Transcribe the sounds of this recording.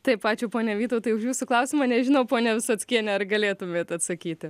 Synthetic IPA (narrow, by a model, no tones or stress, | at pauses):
t̪ɐɪpɑːt͡ʃʲʊːpoːnʲɛʋʲiːt̪ɐoʊt̪ɐɪʊʃjuːsʊklˠɐʊsʲɪmɐnʲɛʒʲɪnoʊpoːnʲɛʋʲɪsɐtsʲkʲiɛnʲɛɐrɡɐlʲeːt̪ʊmʲeːt̪ɐt̪sɐkʲiːt̪ʲɪ